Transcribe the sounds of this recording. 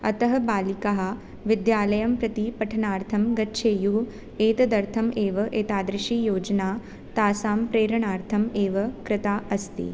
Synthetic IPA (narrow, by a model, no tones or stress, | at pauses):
ɐt̪ɐɦɐ̆baːlikaɦɐ̆ | ʋɪd̪jaːlɐjɐmpɾɐt̪ipɐʈʰɐnaːɾt̪ʰɐmɡɐtːʃʰeːjuɦ | eːt̪ɐd̪ɐɾt̪ʰɐmeːʋɐʔeːt̪aːd̪ɾɪʃiːjoːd͡ʒɐnaː | t̪aːsaːmpɾeːɾɐɳaːɾt̪ʰɐmeːʋɐkɾɪt̪aːʔɐst̪ḭ